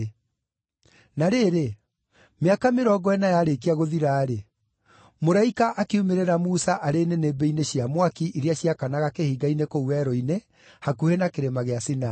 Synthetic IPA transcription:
naɾeːɾe | meakameɾɔɡɔɛnajaɾekiaɣoðiɾaːɾe | moɾaikaʔakeumeɾeɾamusaʔaɾenenebeineɕiamwakiʔiɾeaɕiakanaɣakehiɡainekouwɛɾɔine | hakuhenakeɾemaɣeasina

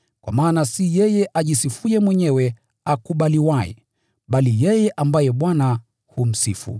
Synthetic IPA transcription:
kwa̰maːnasijɛjɛʔaʄisifujɛmwɛɲɛwɛ | akuɓaliwajɛ̰ | ɓalijɛjɛʔambajɛɓwana | hum̩sḭfṵ

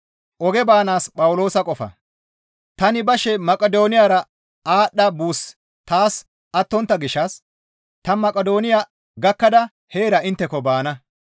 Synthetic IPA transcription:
ʔɔɡɛbaːnaːspʼɐwʊlo̞ːsɐkʼɔfɐ̰ | t̪ɐnɪbɐʃɛmɐkʼɛd̪o̞ːnɪjaːɾɐ | aːɗːɐbuːs | t̪aːs | ɐt̪ːɔnt̪ːɐɡɪʃːɐs | t̪ɐmɐkʼɛd̪o̞ːnɪjaː | ɡɐkːɐd̪ɐ | heːɾɐɪnt̪ːɛkɔbaːnɐ

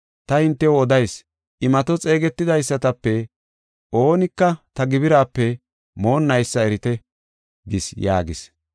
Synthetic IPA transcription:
t̪ɐhɪnt̪ːɛwɔd̪ɐjs | ʔɪmɐt̪ɔt͡sʼeːɡɛt̪ːɪd̪ɐjsːɐt̪ɐpːɛ | ʔo̞ːnɪkːɐt̪ɐɡɪbɪɾaːpːɛ | mo̞ːnːɐjsːɐɛɾɪt̪ɛ | ɡɪsja̰ːɡɪs

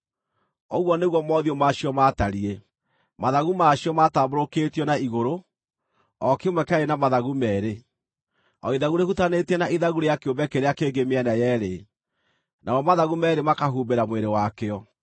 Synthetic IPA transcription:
ɔɣwɔneɣwɔmɔðiomaɕiɔmataɾie | maðaɣumaɕiɔmataːboɾokeːtiɔnaiɣoɾo | ɔkemwɛkaenamaðaɣumɛɾe | ɔiðaɣuɾehutanetɛnaʔiðaɣuɾejakeombɛkeɾeakeːɡemeɛnajɛɾe | nʔawɔmaðaɣumɛɾemakaɦuːbeɾamweɾewakeɔ

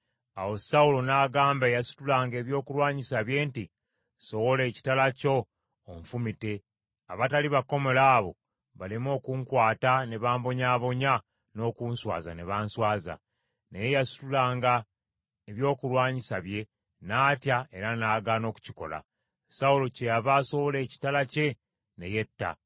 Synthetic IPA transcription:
awo̞saulo̞naːɡaːmbajasu̥tulaːŋɡe̞ːβjo̞ːkulwaːɲisaβje̞nti | so̞wo̞le̞ːci̥talaco̞ː | ɱfumite̞ | aβataliβako̞me̞laːβo̞̰ | βalimo̞ːkuːŋkwaːtane̞βaːmbo̞ɲaːβo̞ɲa | no̞ːkuːnswa̰ːza̰ne̞βaːnswaːza̰ | nejejasu̥tulaːŋɡa | eβjo̞ːkulwaːɲisaβje̞ | naːtjae̞ɾanaːɡaːno̞ːku̥ciko̞̰la̰ | saulo̞cejaβaːso̞wo̞le̞ːci̥talace̞ | ne̞je̞tːa̰

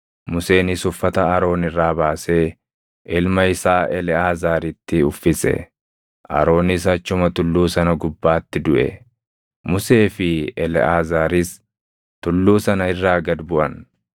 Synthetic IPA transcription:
mʊse̞ːnɪsʊfːɐt̪ɐɐɾo̞ːnɪrːaːbaːseː | ʔɪlmɐɪsaːʔɛlɛaːzaːɾɪt̪ːɪʊfːɪsɛ̰ | ʔɐ̰ɾo̞ːnɪs̬ɐt͡ʃːʊmɐt̪ʊlːuːsɐnɐɡʊbːaːt̪ːɪd̪ʊʔɛ̰ | mʊse̞ːfɪɛlɛʔaːzaːɾɪs | t̪ʊlːuːsɐnɐɪrːaːɡɐd̪bʊʔɐn

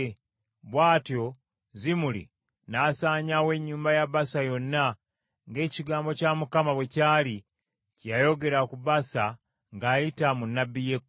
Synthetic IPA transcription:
βwaːtjo̞ | zimulḭ | naːsaːɲawe̞ɲːuːmbajaβasajo̞nːa | ŋɡe̞ːciɡaːmbo̞camukamaβwe̞caːli | cjajo̞ɡe̞ɾakuβasa | ŋɡaːjitamunːabːijek

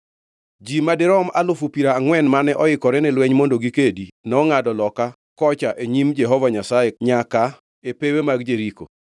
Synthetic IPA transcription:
d͡ʒimadɪɾɔmalʊfupiɾaːŋwɛnmanɛʔɔɪkɔɾɛnɛlwɛɲmondoɡikedinɔŋadɔlɔka | kɔt͡ʃaʔeɲimd͡ʒɛɦɔvaɲasaeɲaka | epewemaɡd͡ʒeɾiko̰

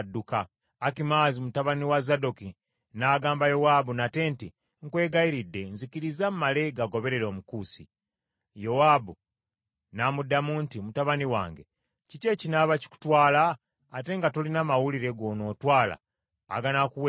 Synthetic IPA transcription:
dːukaː | kimaːzimutaβaniwazado̞ki | naːɡaːmbajo̞wabunate̞ːnti | ŋkwe̞ːɡaiɾidːe̞nzikiɾizamumale̞ɡaɡo̞βe̞ɾe̞ɾo̞ːmukuːsḭ | jo̞wabu | namudamuntimutaβaniwa̰ːŋɡe̞ | cice̞cinaβaci̥ku̥twaːlaː | te̞ːŋɡatolinamawuliɾe̞ɡo̞ːnoːtwaːla̰ː | ɡanakuwe

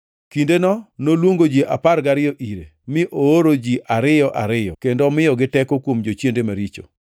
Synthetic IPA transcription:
kindenɔnolwoŋɡod͡ʒiʔaparɡaɾɪjɔʔiɾemɪʔooɾod͡ʒiʔaɾɪjɔʔaɾɪjɔ̰kendɔmɪjɔɡɪtɛkokwomd͡ʒot͡ʃjendemaɾit͡ʃo̰

